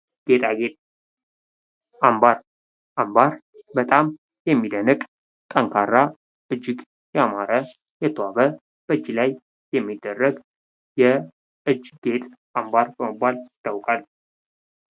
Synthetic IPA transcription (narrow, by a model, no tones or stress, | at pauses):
ɡ̥e̞t̪ʼaɡet̪ʼ | ambaɾ | ʔambaɾ | bət̪ʼam | jɛmːid̪ənɨkʼ | t̪ʼəŋkʰarːa | ʔɨd͡ʒːɪɡ | jɛamaɾə | jɛt̪ʰəwaβə | b̥əɨd͡ʒːilaj | jɛmːid̪ːərːəɡ | jɛ | ʔɨd͡ʒɡe̞t̪ʼ | ambaɾbəmɨbːalɪt̪ʰːawkʼal